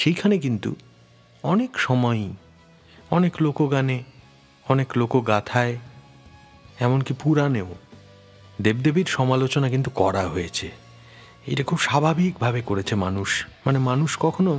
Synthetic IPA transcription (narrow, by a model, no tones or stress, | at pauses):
ʃejkʰanek̬int̪ṵ | ɔnekʃɔmɔj | ɔneklokoɡane | ɔneklokoɡat̪ʰae | ɛmonkipuɾaneo | d̪ebd̪ebiɾʃɔmalot͡ɕonak̬int̪ukɔɾaɦoet͡ɕʰe | ḛʈakʰubʃabʱabʱik̚bʱabekoɾet͡ɕʰemanuʃmanemanuʃkɔkʰono